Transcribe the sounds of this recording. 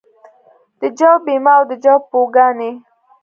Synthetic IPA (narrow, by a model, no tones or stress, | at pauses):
d̪̥əd͡ʒawbimɑwd̪əd͡ʒawpoɡɑne